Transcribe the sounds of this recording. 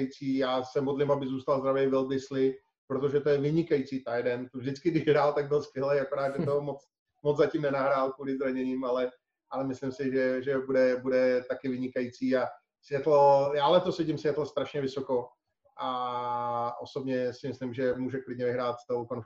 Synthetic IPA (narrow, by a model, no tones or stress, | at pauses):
jit͡siːjaːsɛmodlɪmabɪzuːst̪alzd̪ɾavɛjvɪlbɪslɪ | pɾot̪o̞ʒɛt̪ojɛvɪɲɪkajit͡siːt̪ajdɛnt̪ovʒdɪt͡skɪɡdɪʒɦɾaːlt̪aɡ̚bɪlskvjɛlɛjakoɾaːd̪ʒɛt̪omot͡s | mod͡zzacimnɛnaɦɾaːlkvuːlɪzɾaɲɛɲiːmalɛ | ʔalɛmɪslɪmsɪʒɛʒɛbudɛbudɛt̪akɪvɪɲɪkajit͡siːa | sʋjɛt̪lojaːlɛt̪osɛcɪmsjɛt̪lost̪ɾaʃɲɛvɪso̞ko̞ | ʔa | ʔoso̞bɲɛsɪmɪslɪmʒɛmuːʒɛklɪd̚ɲɛvɪɦɾaːt̪st̪ɛlowkonf